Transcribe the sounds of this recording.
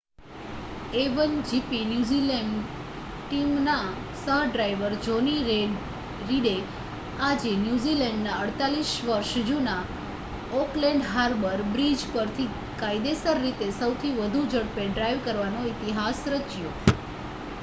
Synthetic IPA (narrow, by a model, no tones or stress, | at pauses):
eʋənd͡ʒipinjuzileɳɖ | ʈimna | səɦɖɾajʋəɾd͡ʒoniɾe | ɾiɽe | ad͡ʒenjuzilɛɳɖnaəɽt̪aliʃʋəɾʃd͡ʒuna | oklɛ̃ɳɖɦaɾbəɾbɾid͡ʒpəɾt̪ʰi | kajd̪esəɾːit̪esəwt̪ʰiʋəd̪ʱud͡ʒəɽpeɖɾajʋkəɾʋanoit̪iɦasɾət͡ʃjo